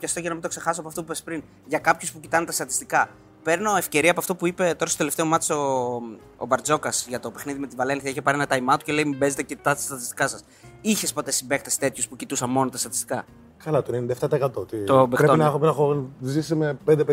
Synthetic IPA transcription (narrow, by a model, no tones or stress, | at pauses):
pçɐst̪oʝenɐmint̪okse̞xɐsoɐpoɐft̪opupespɾin | ʝɐkɐpçuspucit̪ɐnet̪ɐst̪ɐt̪ist̪ikɐ | pe̞ɾno̞efce̞ɾiɐpoɐft̪o̞puipe̞t̪o̞ɾɐst̪ot̪eleft̪e̞o̞mɐt̪i̥so | o̰bɐɾd͡zo̞kɐsʝɐt̪o̞pe̞xniðime̞t̪ivɐle̞nθiɐiçepɐɾienɐt̪ɐimɐt̪u̥ce̞le̞imibe̞zet̪ecit̪ɐt̪ɐ̥st̪ɐt̪ist̪ikɐsɐs | içespo̞t̪esibe̞kt̪ɐsi̥t̪e̞t̪çuspucit̪usɐmo̞not̪ɐst̪ɐt̪i̥st̪i̥kɐ | kɐlɐt̪onend̪ɐeft̪ɐt̪ɐekɐt̪ot̪it̪obepɾeonɐexopinɐxonzisimepend̪ep